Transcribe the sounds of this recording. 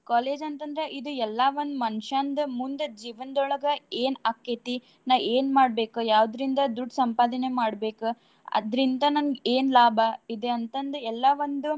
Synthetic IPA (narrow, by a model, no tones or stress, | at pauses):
kaːle̞ːd͡ʒɐnt̪ɐnd̪ɐɾe̞ʔid̪uɛlːaʋond̪umɐnʂaːnd̪ɐmund̪ed͡ʒiːʋɐnd̪ɔɭɐɡɐeːnɐkːet̪i | naːʋeːnmaːɖbe̞ːkujaːʋd̪ɾind̪ɐd̪uɖsɐmpaːd̪ɐne̞maːɽbe̞ːku | ɐ̰d̪ɾind̪ɐnɐnɡeːnlaːbʱɐid̪e̞ɐnt̪ɐnd̪ɾeɛlːaʋond̪u